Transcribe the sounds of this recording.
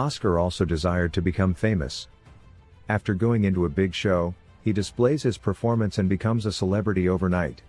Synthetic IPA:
ɑskə˞ɔlˠsoʊdɨzaɪə˞d̚tʰɨbɨkʰʌ̃ɱfẽɪ̃mɨ̰s | æftə˞ɡoʊɪ̃ŋɪ̃ntuəbɪɡʃoʊ | idɨspleɪz̥hɨz̥pʰə˞fɔɹmɨ̃nsɨ̃nbɨkʰʌ̃mzəsəlɛbɹɨɾioʊvə˞naɪt̚

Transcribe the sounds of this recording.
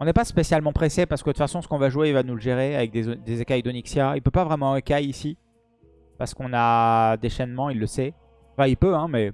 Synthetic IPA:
ɔ̃nɛpaspesjalmɑ̃pχesepaʁsə̥kəd̪əfasɔ̃sə̥kɔ̃vaʒuweivanuləʒeʁeavɛk̚d̪ezd̪ezekajd̪ɔniksjailpøpavʁɛmɑ̃ekʲajisi | paʁsə̥kɔ̃nad̪eʃɛnmɑ̃ilːəsɛ | ɑ̃fɛ̃ilpøɛ̃mɛ

